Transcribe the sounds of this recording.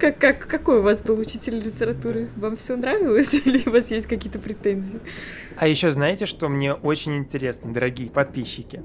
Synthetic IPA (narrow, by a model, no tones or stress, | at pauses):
kakːakːɐko̞jʊvasbɨlˠʊt͡ɕitʲɪlʲlʲɪtʲɪɾɐt̪uɾɨvamfsʲonɾavʲɪlˠəsʲilʲɪʊvasjesʲtʲkɐkʲijət̪əpɾʲɪt̪ɛnʲzʲɪɪ | ɐjɪɕːo̞znajɪtʲɪʂt̪o̞mnʲe̞ʔo̞t͡ɕɪnʲɪnʲtʲɪɾʲe̞snəd̪əɾɐɡʲijəpɐt̪̚pʲiɕːɪkʲɪ